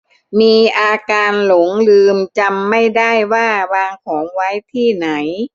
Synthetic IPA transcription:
miː˧ʔaː˧kaː˧nlo˩˦ŋlɯː˧mt͡ɕa˧mːa˥˩jda˥˩jwaː˥˩waː˧ŋkʰɔː˩˦ŋwa˦˥jt̪ʰiː˥˩na˩˦j

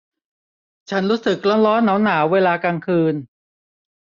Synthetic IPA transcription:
t͡ɕʰa˦˥nɾuː˦˥sɯ˨˩k̚lɔ˦˥nɾɔː˦˥nːaː˩˦˥wnːaː˩˦weː˧laː˧kaː˧ŋkʰɯː˧n

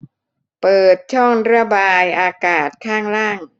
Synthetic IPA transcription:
pɤː˨˩t̪̚t͡ɕʰɔ˥˩ŋɾa˧˩baː˧jʔaː˧kaː˨˩t̪̚kʰaː˥˩ŋɾaː˥˩ŋ

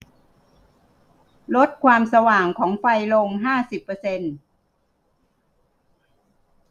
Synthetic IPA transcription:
lo˦˥t̪̚kʰwaː˧msa˧waː˨˩ŋkʰɔː˩˦ŋfa˧jlo˧mɦaː˥˩si˨˩pːɤː˧se˧n

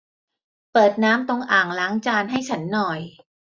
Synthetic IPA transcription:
pɤː˨˩t̪̚naː˦˥mt̪o˧ŋʔaː˨˩ŋlaː˨˦˥ŋt͡ɕaː˧nɦa˥˩jt͡ɕʰa˦˥nːɔː˨˩j

